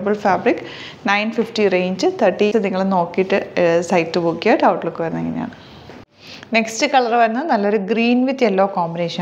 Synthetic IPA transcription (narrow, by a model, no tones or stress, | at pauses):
bɐlfaːbrikː | nɐjnfifʈireːɲd͡ʑɨt̪ʰɐʈːiɨniŋːɐɭeno̞ːkːijiʈːɨsɐjtːɨbukːijaːʈːɨɐwʈːiɭlokːɨʋɐɾunːeŋːɐneja̰ːɳɨ | ne̞kstɨkɐɭɐrʋɐɾunːɐðɨnɐlːoɾuɡriːnʋit̪ːelːo̞ːkoːmbineːʂɐn